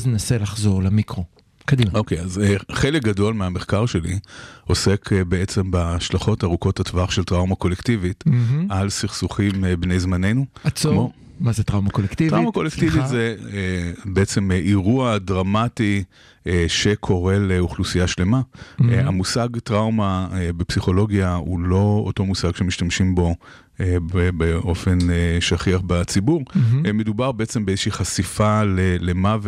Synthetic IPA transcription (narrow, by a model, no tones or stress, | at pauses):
znenaselaχzoʁlemikʁo | kadimaʔo̞kejazeχelek̚ɡado̞lmeame̞χkaʁʃe̞lḭo̞se̞kʰbee̞t͡sembaʃlaχo̞taʁuko̞thatvaχʃe̞ltʁawmako̞lektivit̩alsiχsuχimbne̞jzmane̞numo | mazetʁawmakolektiʁaumako̞lektivitze | beet͡se̞meʔiʁuadʁamati | eʃe̞kʰo̞ʁe̞leuχlusijaʃle̞maamusaɡtʁawmaebepsiχo̞lo̞ɡjaulo̞o̰to̞musaɡʃemiʃtamʃimbo̞ | ebebeo̞fe̞neʃaχiaχbat͡sibuʁme̞dubaʁbeet͡se̞mbeezeʃiːχasifalelemav